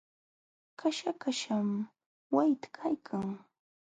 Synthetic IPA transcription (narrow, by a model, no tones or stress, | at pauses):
kʰaʃakaʃam | wajt̪ḁkʰajkʰaŋ